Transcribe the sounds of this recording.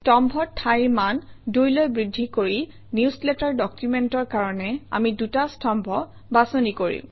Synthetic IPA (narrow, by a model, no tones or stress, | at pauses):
tɔmbʱɔtʰajmandojlojbɹidʱːikoɹi | niuslɛtaɹdɔkjumɛntɔɹkaɹɔnɛa̰midutastɔmbʱɔ | basonikoɹḭm